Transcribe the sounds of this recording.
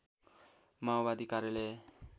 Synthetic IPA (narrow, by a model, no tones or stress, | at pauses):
maobad̪ikaɾjele